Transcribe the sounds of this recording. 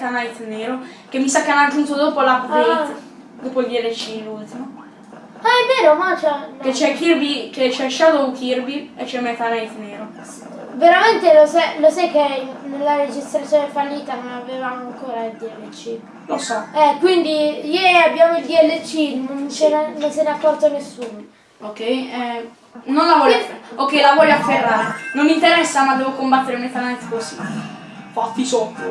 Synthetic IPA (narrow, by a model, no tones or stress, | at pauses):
t̪anajt̪neːɾo | kemːisakːeanat̪unuːt̪od̪oːpolapope | d̪oːpoijɛlːet͡ʃːilult̪imo | aemːeːnomat͡ʃɛket͡ʃːɛkːirbiket͡ʃaʃat̪okirbiet͡ʃːɛmːet̪anajt̪neːɾo | veɾament̪elosalosajkːenelːaɾed͡ʒist̪ɾat̪sjoːnefalːiːt̪anonavevamoaŋkoːɾaild̪iɛlːet͡ʃi | losɔɛkːwind̪ijɛɾiabːjaːmoild̪iɛlːet͡ʃːinont͡ʃenenːonseneakːɔrt̪onesːuːno | okːɛjɛ | nonlavɔjafokːɛjlavɔʎːoaferːaːɾenonːint̪eɾɛsːamad̪ːɛːvokombat̪ːeɾemejt̪alɛnt̪kosi | fat̪ːisɔt̪ːo